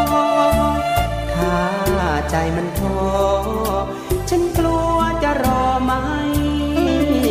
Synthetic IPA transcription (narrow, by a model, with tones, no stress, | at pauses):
kʰaː˧˩˧t͡ɕa˨˧˩jma˧˥˨nt̪ʰɔː˧ | t͡ɕʰa˧˥nklu˧ə˧t͡ɕa˧˨ɾɔː˧maː˧ha˧˩j